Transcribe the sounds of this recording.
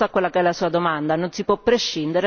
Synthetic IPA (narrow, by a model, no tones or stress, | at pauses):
akːwelːakeɛlːasuːad̪omand̪anonsipwɔpːɾeʃːind̪eɾe